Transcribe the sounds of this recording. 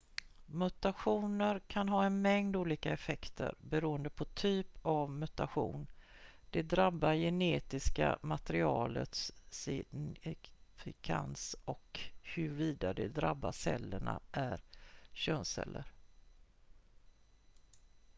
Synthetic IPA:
mɵt̪aɧuːnəɾkʰanɦɑːɛnmɛŋd̪uːliːkaɛfɛkt̪ʰə̰ɾbɛɾuːənd̪əpʰɔt̪ʰyːpʰavmɵt̪aɧṵːnd̪̥ɛd̪ɾabːajɛneːt̪ɪska̰mat̪ɛɾɪɑːlət̪s | fɪkʰa̰nsɔkhɵɾviːd̪ad̪ɛd̪ɾabːasɛ̰lːəɳa̰ʔæɾɕøːnsɛ̰lːʔəɾ

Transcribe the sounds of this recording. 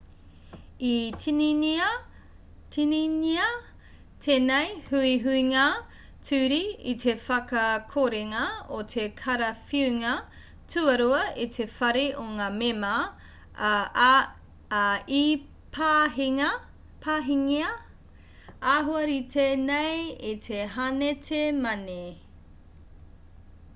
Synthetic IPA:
itʰinini | tʰininiɐ | tʰenejhuiɦuiŋa | tʰʉːɾiitʰe̞fɐkɐkʰoɾeŋɐotʰekʰɐɾɐfiʉŋɐ | tʰuɐɾuɐitʰefɐɾeʔoŋaːmemɐ | i | pʰaɦiŋɐ | pʰaːɦiŋiɐ | aːɦoɐɾitʰenejitʰeɦanetʰemɐne

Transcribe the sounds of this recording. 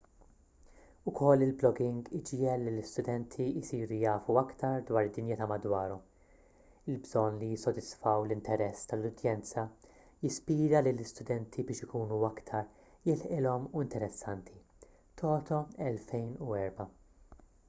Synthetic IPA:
ʊkʰɔlːɪlblɔɡɪŋɡɪd͡ʒjɛlːilɪst̪ʊd̪ɛnt̪ʰiɪsiːɾujɐːfuɐkt̪ɐɾd̪wɐːɾɪd̪ːɪnjɪt̪ɐːmɐd̪wɐːɾɔm | ɪlbzɔnːlijɪsːɔd̪ɪsfɐwlɪnt̪ɛɾɛsːt̪ɐlʊd̪jɛnt͡sɐ | jɪspiːɾɐlilɪst̪ʊd̪ɛnt̪ʰibɪːʃɪkuːnuɐkt̪ʰɐɾ | jɪlħʔɪlɔmuɪnt̪ɛɾɛsːɐnt̪ʰi | t̪ʰɔːt̪ɔɛlfɛjnuɛɾbɐ

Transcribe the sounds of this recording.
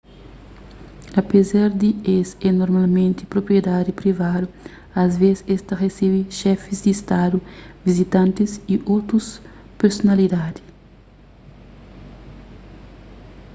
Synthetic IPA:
ɐpezaɾd̪iesɛnoɾmalmẽnt̪ipɾopɾjed̪ad̪ipɾivad̪u | ɐzvesest̪ɐresiβiʃɛfizd̪ist̪ad̪uvizit̪ãnt̪iziʔot̪ɾus | peɾsonɐlid̪ad̪i̥

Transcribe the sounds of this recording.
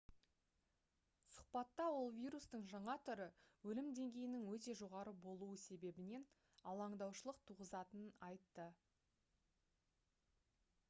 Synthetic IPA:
sʊ̥qpɑt̪ːɑwo̞lˠvʲijɾust̪əɴʒɑɴɑt̪ʰʏɾəwɵlɪmd̪e̞ŋɡʲe̞jɪnɪŋwɵt̪e̞ʒo̞ʁɑɾəbo̞lˠuwəse̞be̞bɪne̞n | ɑlˠɑɴd̪ɑwʃəlˠəq̚t̪ʰuʁəzɑt̪ənənɑjt̪ːə

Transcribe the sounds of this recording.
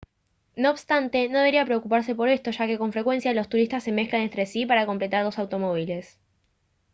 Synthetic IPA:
no̞ːβst̪ant̪e̞no̞ðe̞βɾiapɾe̞okupaɾs̬e̞po̞ɾe̞st̪o̞ʃake̞ko̞ɱfɾe̞kwe̞nsjalo̞st̪uɾist̪asːe̞me̞xklane̞nt̪ɾe̞sipaɾako̞mple̞t̪aɾlo̞sawt̪o̞mo̞β̞ile̞s

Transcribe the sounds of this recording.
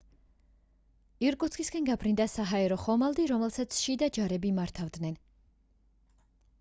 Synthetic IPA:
iɾkʼut̪sʰkʰʼiskɛnɡabʰɾind̪asaɦaɛɾɔχɔmalˠd̪iɾɔmɛlˠsat̪sʰʃid̪ad͡ʒaɾɛbimaɾt̪ʰavd̪nɛn

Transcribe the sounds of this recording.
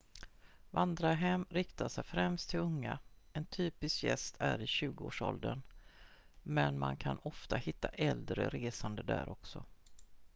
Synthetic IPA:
vand̪ɾaɦɛmɾɪkt̪aʂɛjfɾɛmst̪ʰːɪlɵŋːaɛnt̪ʰyːpɪskjɛ̰st̪ʰæɾɪɕʉ̟ːɡəoːʂɔld̪ən | mɛnmankʰanɔft̪ahɪt̪ːaʔɛld̪ɾəɾeːsand̪əd̪æ̰ːɾɔksɔ

